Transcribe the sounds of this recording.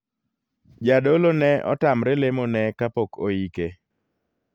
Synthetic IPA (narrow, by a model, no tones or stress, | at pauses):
d͡ʒadolonɛɔ̰tamɾelemonɛkapokʰoike